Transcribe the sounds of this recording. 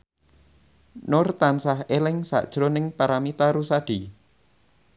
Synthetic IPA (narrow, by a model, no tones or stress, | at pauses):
nʊrt̪ansahelɪŋsa̰ʔd̥ʒ̥ɾonɪŋpaɾamit̪aɾusaɖ̥i